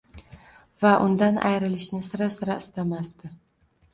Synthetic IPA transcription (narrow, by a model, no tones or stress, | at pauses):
vaʔʊnd̪anʔa̰jɾɪlɪʃnɪsɪɾasɪɾaɪst̪amast̪ɪ